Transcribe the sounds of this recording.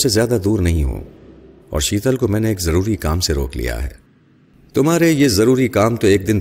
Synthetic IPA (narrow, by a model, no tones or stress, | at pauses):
sezjaːd̪ad̪uːɾnɐɦĩɦõ̰ː | ɔ̰ːɾʃiːt̪əlkomɛ̃ːneeːkzɐɾuːɾikaːmseɾo̰ːklḭja̰ɦɛ̰ː | t̪ʊmɦaːɾejezɐɾuːɾikaːmt̪oeːk̚d̪ɪn